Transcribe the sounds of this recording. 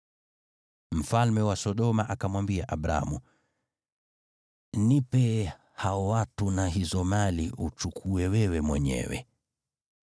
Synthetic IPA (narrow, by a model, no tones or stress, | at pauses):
m̩falmɛwasɔɗɔmaʔakamwambiaʔaɓɾa̰a̰mṵ | nipɛ | haɔwatunaɦizɔmaliut͡ʃukʰuɛwɛwɛmwɛɲɛ̰wɛ̰